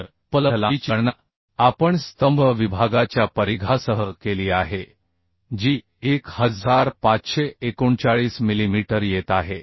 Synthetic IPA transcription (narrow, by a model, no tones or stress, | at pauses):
ɾ | pələɦlat͡ɕiɽna | apəɳst̪əmbʱəʋibʱaɡat͡ɕjapəɾiɡʱasəɦəkeliːaɦe | d͡ʑiː | ekhəd͡zaɾpat͡sɕeekuɳt͡saɭiːsmilimiʈəɾjet̪aɦe